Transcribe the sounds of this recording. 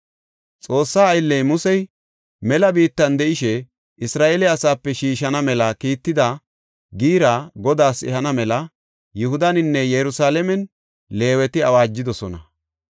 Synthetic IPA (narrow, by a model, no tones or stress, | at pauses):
t͡sʼo̞ːsːaːjlːɛjmʊsɛj | mɛlɐbiːt̪ːɐnd̪ɛʔɪʃɛ | ʔɪsɾaːʔeːlɛɐsaːpːɛʃiːʃɐnɐmɛlɐkiːt̪ːɪd̪ɐ | ɡiːɾaɡɔd̪aːsɛ̰hɐnɐmɛlɐ | jʊhʊd̪ɐnɪnːɛjɛɾʊsaːlɛmɛn | le̞ːwɛt̪ɪɐwaːd͡ʒːɪd̪ɔsɔnɐ̰